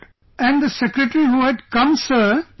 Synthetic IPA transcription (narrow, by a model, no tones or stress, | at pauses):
ʔæ̃nd̪əsɛkɾəʈɾihuːɛɖkʌ̃msəː